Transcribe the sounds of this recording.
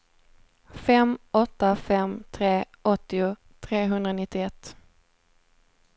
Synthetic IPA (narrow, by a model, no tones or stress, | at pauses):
fɛmɔt̪ːafɛmt̪ʰɾeː | ɔt̪ːɪʊ | t̪ʰɾeːɦɵnd̪ɾanɪt̪ːɪɛt̪ː